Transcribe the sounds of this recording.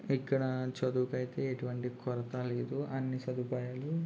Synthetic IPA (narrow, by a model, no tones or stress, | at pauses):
ikːɐɽɐt͡ʃɐd̪uːkɐjit̪e̞ːeʈuʋɐɳʈikɔɾɐt̪ɐleːd̪uɐnːisɐd̪upaːjaːlu